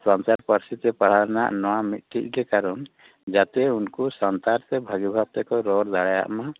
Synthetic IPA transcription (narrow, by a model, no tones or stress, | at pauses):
sɔ̃nsaɾpəɾsit̪ɛpaɽ̤aɾna̰ʔnɔwamit̪̚ʈʰiʔɡɛkaɾɔn | d͡ʒat̪ɛunkusant̪aɾt̪ɛbʱaɡibʱab̚t̪ɛkɔɾɔɾd̪aɽaja̰ʔma